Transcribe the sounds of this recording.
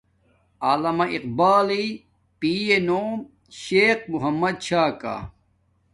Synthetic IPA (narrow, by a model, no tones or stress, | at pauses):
aːlɐmɐʔiq̚baːli | piːjenoːm | ɕeːq̚muɦɐmːɐd̪̚t͡ɕʰaːka̰